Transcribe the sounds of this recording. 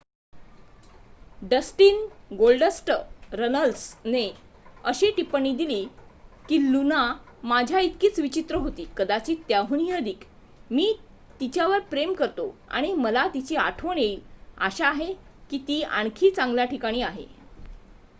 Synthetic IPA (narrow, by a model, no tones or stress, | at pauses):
ɖəsʈiːnɡolɖəsʈɾənəlsne | əɕeʈipɳ̃iːd̪iliːkiːluna | mad͡ʑʱjait̪kiːt͡sʋit͡ɕit̪ɾəɦot̪iːkəd̪at͡ɕiːt̪jaɦuniəd̪ʱik | miː | t̪it͡ɕjaʋəɾpɾemkəɾt̪oa̰ɽ̃iməlat̪it͡ɕiːa̰ʈʰoɳeilaɕaːɦekiːt̪iːa̰ɳ̃kʰiːt͡sãŋɡljaʈʰikaɽ̃iːaɦḛ